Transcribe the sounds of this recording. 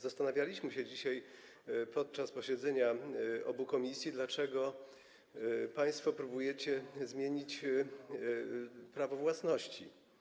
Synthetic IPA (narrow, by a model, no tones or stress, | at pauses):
zast̪anavʲjalʲiɕmɘɕɛd͡ʑiɕaj | pɔt̪̚t͡ʂaspɔɕɛd̪zɛɲaʔɔbukɔmʲisʲjid̪lat͡ʂɛɡɔ | paj̃st̪fɔpɾubujɛt͡ɕɛzmʲjeɲit͡ɕ | pɾavɔvwasnɔɕt͡ɕḭ